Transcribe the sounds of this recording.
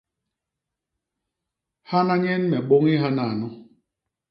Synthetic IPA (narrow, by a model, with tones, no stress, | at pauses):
ha˦na˦ɲɛ˦nmɛ˨ɓo˦ŋi˦ɦa˦na˨nɔ˦